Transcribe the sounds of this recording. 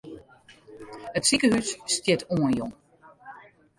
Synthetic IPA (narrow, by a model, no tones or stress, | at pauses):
ətsikəhysːtjɪtʰuənjoŋ